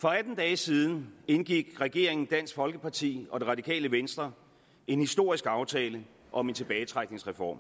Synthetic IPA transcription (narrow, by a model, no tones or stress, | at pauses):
fɒ̽æd̥n̩d̥ɛːsið̞ˠn̩e̝nɡ̥iɡ̥ʁɛɡ̥e̝ɐ̰e̝ŋn̩d̥æn̰sɡ̥fɒ̽lɡ̥əpʰɑ̈t͡sʰḭːɒ̽d̥e̝ʁɑ̈d̥ikʰɛ̰ːləʋensd̥ʁɐ | e̝nhisd̥o̝ɐ̰isɡ̥ɑ̈ʊt͡sʰɛːlə | ʔɒ̽me̝nt͡sʰe̝b̥ɛːɪt͡sʰʁaɡ̥̚ne̝ŋsʁɛfɒ̰ːm